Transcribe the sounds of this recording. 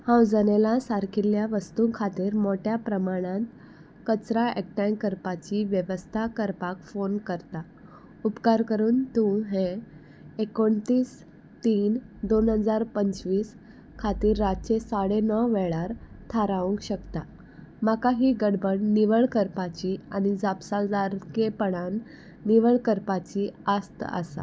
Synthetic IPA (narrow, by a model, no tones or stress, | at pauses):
hãwd͡zənelasaɾkʰiljaʋəst̪ũkʰat̪iːɾmoʈjapɾəmaɽ̃ãt̪ | kət͡sɾaek̚ʈãkəɾpat͡ɕiʋjəʋəst̪ʰakəɾpakfonkəɾt̪a | upkaɾkəɾuːnt̪ũɦẽ | ekoɳt̪iːs | t̪iːnd̪onɦəd͡zaɾpəɲt͡ɕʋiːs | kʰat̪iːɾːad̚t͡ɕesaɽenəʋɛɭaɾ | t̪ʰaɾaʋəŋkɕəkt̪a | makaɦiːɡəɽbəɳniʋəɭkəɾpat͡ɕiːaɽ̃id͡zapsald͡zaɾkepəɽanː | iʋəɭkəɾpat͡ɕiːast̪ə̰sa̰